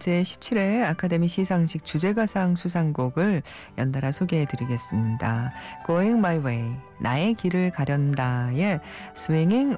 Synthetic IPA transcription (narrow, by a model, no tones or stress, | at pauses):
t͡ɕe̞ɕʰi̥p̚t͡ɕʰiɾeakʰade̞miɕʰisʰaŋɕʰik̚t͡ɕud͡ʑe̞ɡasʰaŋsʰus̬ʰaŋɡoɡɯɭ | jʌndaɾasʰoɡeɦetɯɾiɡe̞s͈ɯmɲidakoeŋmaiwei | nae̞kiɾɯɭkaɾjʌndaje | sʰueŋiŋ